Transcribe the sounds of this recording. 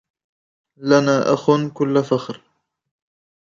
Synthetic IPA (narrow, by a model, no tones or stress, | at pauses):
lanaːʔaxʊnkʊlːafaxɾ